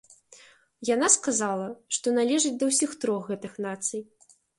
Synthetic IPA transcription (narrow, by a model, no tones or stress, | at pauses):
janaskazalˠɐʂt̪ɔnalʲɛʐɨt͡sʲd̪ɐwsʲixt̪ɾɔxːɛt̪ɨxnat̪sɨj